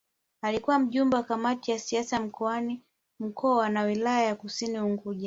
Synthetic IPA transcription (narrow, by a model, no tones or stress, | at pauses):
alikuwam̩ʄumbawakamatijasiasam̩kʰɔani | m̩kʰɔwanawilajajakusiniuŋɡuʄa